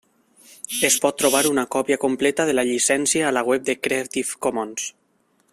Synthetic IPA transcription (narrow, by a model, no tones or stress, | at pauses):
espɔt̪ːɾoβ̞aɾunakɔpjakomplɛt̪aðelaʎisɛnsjaːlaɣwɛp̚d̪ekɾeat̪ifkomons